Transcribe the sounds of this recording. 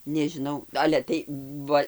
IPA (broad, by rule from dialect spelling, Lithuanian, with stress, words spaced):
nʲɛʒʲɪˈnɐʊ ˈɑːlʲɛ tɐɪ ˈʋɐ